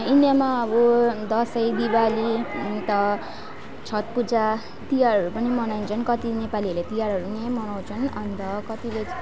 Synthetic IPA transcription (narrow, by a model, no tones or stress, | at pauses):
injʌmaʌbud̪ʌsʌjd̪ibalit̪ʌ | t͡sʰʌt̪̚pud͡za | t̪ijarɦʌɾupʌnimʌnajnt͡sʰʌnkʌt̪inepaliʌlet̪ijaɾɦʌɾunemʌnaw̃t͡sʰʌnʌnt̪ʌkʌt̪ile